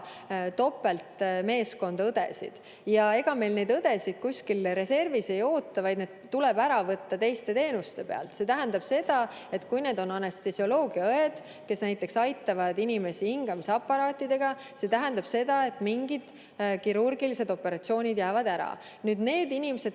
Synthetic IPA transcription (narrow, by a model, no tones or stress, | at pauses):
t̪o̞pːe̞lt̪me̞ːsko̞nd̪̥ɑɤd̪̥e̞̰sḭd̪̥ | jɑe̞ɡ̥ɑme̞jlne̞d̪ɤd̪e̞sid̪̥̚kusʲkilɾe̞se̞rvise̞jo̞ːt̪ːɑvɑjd̪ned̪̥t̪ːulebæɾɑvɤt̪ːɑt̪e̞jst̪e̞t̪e̞ːnust̪e̞pe̞ɑ̰lt̪se̞t̪æɦænd̪ɑb̥se̞d̪̥ɑ | e̞t̪kujne̞ːd̪o̞nɑnest̪esjo̞lo̞ːɡ̥iɑɤed̪̥ | ke̞snæjt̪ːˑe̞ksɑjt̪ːɑvɑd̪inime̞sihiŋɡ̥ɑmiseɑpːˑɑɾɑːt̪ːˑid̪e̞ɡ̥ɑ | se̞t̪æɦænd̪ɑb̥se̞d̪̥ɑe̞t̪ːˑmiŋɡ̥id̪̥ | kiɾurɡ̥ilise̞d̪̥o̞pːe̞ɾɑt̪sio̞ːnʲid̪jæːvɑd̪æɾɑ̰ | nyːd̪ne̞ːd̪inʲimese̞d̪̚